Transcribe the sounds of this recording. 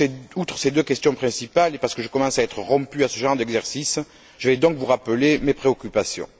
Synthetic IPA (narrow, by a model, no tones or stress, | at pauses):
eut̪χəsed̪økɛst̪jɔ̃pχɛ̃sipalepaʁsə̥kəʒəkɔmɑ̃saɛt̪χəʁɔ̃pyasəʒɑ̃ʁəd̪ɛɡzɛʁsis | ʒ̥əvɛd̪ɔ̃ŋkvuʁapəlemepχeɔkʲypasjɔ̰̃